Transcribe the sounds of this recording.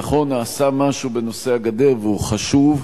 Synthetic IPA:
aχo̞nːaːsamaʃubeno̞se̞aɡad̪e̞ʁveuχaʃuv

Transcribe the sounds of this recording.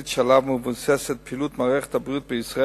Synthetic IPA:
it̪ʃalavmuvunsɛsɛt̪̚pʰilut̪maʁɛχt̪ʰabʁit̪̚bəisʁa

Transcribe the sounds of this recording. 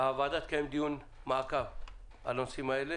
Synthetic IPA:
aʋaːd̪ɐt̪kʰemd̪iun | maːka | ɐ̰lõsimaele

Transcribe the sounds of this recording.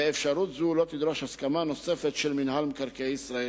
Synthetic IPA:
eefʃaɾut̪zulo̞t̪id̪ɾoʃhaskamano̞se̞fet̪ʃelminhalmkaɾkeisɾae

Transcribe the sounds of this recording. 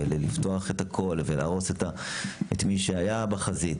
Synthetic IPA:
elelifto̞aχetakʰo̞lvela̰ːʁo̞seta | etmiʃeajabaχazit

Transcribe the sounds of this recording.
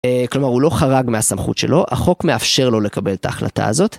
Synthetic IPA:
eklo̞maʁulo̞χaʁaɡmeasamχṵt̪ʃe̞lo̞ʔa̰χo̞kme̞afʃe̞ʁlo̞le̞kabe̞let̪aːχla̰ta̰ːzo̞t̪

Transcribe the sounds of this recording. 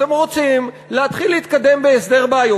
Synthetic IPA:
temʁo̞t͡sim | leat̪χilːeit̪kad̪e̞mbeesd̪e̞ʁbaajo

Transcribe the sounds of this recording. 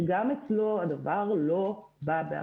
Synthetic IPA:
ɡamet͡slo̞ad̪avaʁlo̞ | babea̰

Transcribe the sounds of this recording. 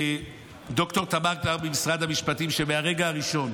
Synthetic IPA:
d̪o̞kto̞t̪amaʁɡvaʁbemisʁad̪hamiʃpatimʃeveaʁe̞ɡaaʁiʃo̞n

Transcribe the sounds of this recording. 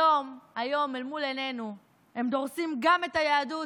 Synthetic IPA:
o̞majo̞melmulene̞nu | e̞md̪o̞ʁsimɡame̞t̪ajaːdu

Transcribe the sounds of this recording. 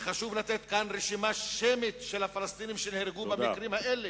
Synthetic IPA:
χaʃuvlat̪et̪kanʁeʃimaʃemit̪ʃelhafalast̪inimʃenehɾeɡubamikʁimhaʔele

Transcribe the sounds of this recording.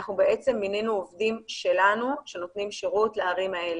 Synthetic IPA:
aχnubee̞t͡se̞mːinenuovdimʃe̞lanuʃe̞no̞t̪nimʃeʁutleaʁimae̞l

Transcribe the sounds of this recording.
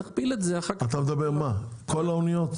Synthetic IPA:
χpilet̪zeaχaat̪amed̪abeʁmakʰolaonijo̞t̪

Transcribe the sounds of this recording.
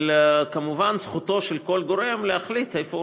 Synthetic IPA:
lkamuvansχut̪o̞ʃelko̞lɡo̞ɾe̞mleaχlit̪hejfo

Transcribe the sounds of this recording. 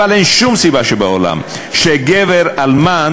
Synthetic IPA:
alʔenʃumsibaʃebeo̰la̰m | ʃeɡeveʁalma

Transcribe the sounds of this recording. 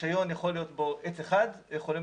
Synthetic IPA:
ajo̞njaχolijo̞t̪boʔet͡seχad̪jeχo̞lim

